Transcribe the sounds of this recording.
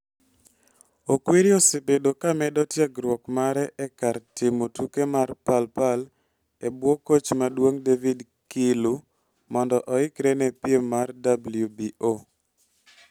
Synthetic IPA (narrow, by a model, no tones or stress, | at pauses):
okweɾiɔsɪpedokamɛdɔtjaɡɾwɔkmaɾɛʔɛkartɪmotukemarpalpal | ebwɔkot͡ʃmadwoŋdevid | kɪlu | mɔndɔʔɔɪkɾɛnɛpjemːardabljubio